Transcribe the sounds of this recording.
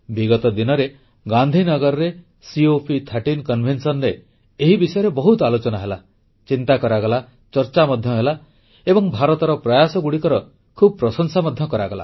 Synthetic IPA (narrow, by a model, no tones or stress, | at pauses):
biɡɔt̪ɔd̪inɔɾe | ɡand̪ʱinɔɡɔɾɔɾe | siopʰit̪ʰaʈinkɔnbʱensɔnɾeː | ɦibisɔjɔɾebɔɦut̪ɔalot͡ʃɔnaɦela | t͡ʃint̪akɔɾaɡɔla | t͡ʃɔɾt͡ʃamɔd̪ʱjɔɦela | ebɔŋbʱaɾɔt̪ɔɾɔpɾɔjasɔɡuɽikɔɾɔ | kʰubɔpɾɔsɔŋsamɔd̪ʱjɔkɔɾaɡɔla̰